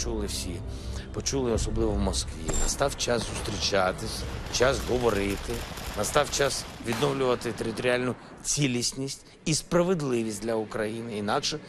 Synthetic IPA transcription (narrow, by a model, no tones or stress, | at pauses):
t͡ʃulˠɪwsʲi | pɔt͡ʃulˠɪɔsɔblˠɪʋɔwmɔskʋʲḭnɐ̰st̪ɑwt͡ʃasːʊst̪ɾʲit͡ʃat̪ɪsʲt͡ʃɑsɦɔʋɔɾɪt̪ɪnɐst̪ɑwt͡ʃɑsʋʲid̪nɔwlʲʊʋɐt̪ɪt̪eɾɪt̪ɔɾʲɪalʲnʊ | t͡sʲilʲisʲnʲisʲtʲ | ispɾɐʋɪd̪lˠɪʋʲisʲtʲd̪lʲɐukɾɐjinɪinɑkʃɛ